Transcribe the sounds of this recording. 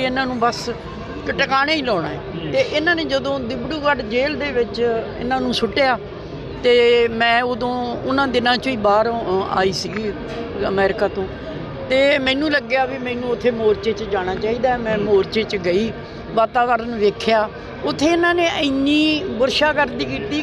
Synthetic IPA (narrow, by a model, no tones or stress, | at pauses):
ɪnãːnũːbəs | kəʈəkaːneːiːlɔːɽ̃a̰ːɛːeːʔɪnãːneːd͡ʒəd̪õːd̪ɪbɽuːkəɖd͡ʒeːld̪eːʋɪt͡ʃɪ̰nãːnũːsʊʈːejaː | t̪eːmɛ̃ːod̪õːʊnãːd̪ɪnãːt͡ʃoiːbaːɾa̰ːiːsiːɡ | əmɛːɾɪkaːt̪õː | t̪eːmɛ̃ːnũːləɡɪjaːʋiːmɛ̃ːnũːʊt̪ʰːeːmoːɾt͡ʃeːt͡ʃd͡ʒaːɽ̃aːt͡ʃaːiːd̪aːmɛ̃ːmoːɾt͡ʃeːt͡ʃɡəiː | ʋaːt̪aːʋəɾənʋeːkʰjaː | ʊt̪ʰːeːɪnãːneːʔə̃niːbʊɾʃaːkəɾd̪iːkiːt̪iː